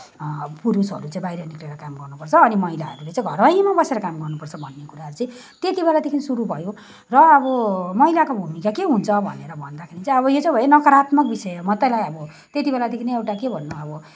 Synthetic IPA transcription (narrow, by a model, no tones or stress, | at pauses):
puɾusʌ̰ɾut͡saĩbajɾʌnikleɾʌkamɡʌrnupʌrt͡sʰʌːnimʌɦilaɦʌ̰ɾulet͡sãĩɡʱʌrbajmabʌseɾʌkamɡʌrnupʌrt͡sʰʌbʱʌnːekuɾaɦʌɾut͡sʌ̃ĩ | t̪et̪ibelad̪ekʰinisuɾubʱʌjo | rʌːbʌmʌɦijlakobʱumikakeɦunt͡sʰʌbʱʌ̰neɾʌbʱʌnd̪akʰeɾit͡saĩʌβʌjot͡sãĩbʱʌjenʌkʌɾat̪mʌk̚bisʌjomʌt̪ʌlajʌbʌ | t̪et̪ibelad̪ekʰineewʈakebʱʌnːuʌbʌ